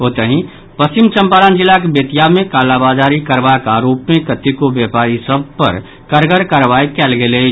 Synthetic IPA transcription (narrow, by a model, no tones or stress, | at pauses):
ɦot̪əɦĩ | pəst͡ʃimt͡ʃə̃mpaːɾand͡ʒɪlːakebət̪ijamẽkaːlabad͡ʒaɾikəɾbakaːɾoːpmekət̪ikoʋjɛpaːɾisəb̚ʱpə̰ɾ | kəɾɡəɾkəɾʋajkɛlɡele